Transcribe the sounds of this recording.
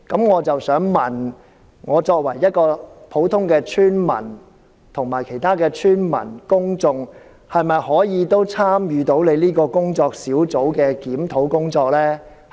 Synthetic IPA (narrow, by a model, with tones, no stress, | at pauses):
kɐ˨˥mŋɔː˨˧t͡sɐ˨wsœː˨˥ŋmɐ˨n | ŋɔː˨˧t͡sɔː˧k̚wɐ˨˩jːɐ˥t̚kɔː˧pʰo˨˥wt̪ʰʊ˥ŋkɛː˧t͡ʃʰyː˥nmɐ̰˨˩n | t̪ʰʊ˨˩ŋmaː˨˩jkʰe˨˩jt̪ʰaː˥kɛː˧t͡ʃʰyː˥nmɐ̰˨˩nkʊ˥ŋt͡sʊ˧ŋ | hɐ˨jmɐ˨jhɔː˨˥jiː˨˧t̪o˥wt͡sʰaː˥mjyː˨˧t̪o˨˥wle˨˧jliː˥kɔː˧kʊ˥ŋt͡sɔː˧k̚siː˨˥wt͡so˨˥wkɛː˧kiː˨˥mt̪ʰo˨˥wkʊ˥ŋt͡sɔː˧k̚lɛː˥